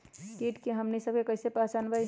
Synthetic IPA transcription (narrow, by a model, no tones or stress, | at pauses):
kiʈkeɦəmnisəb̚kekəɪsepasanbəj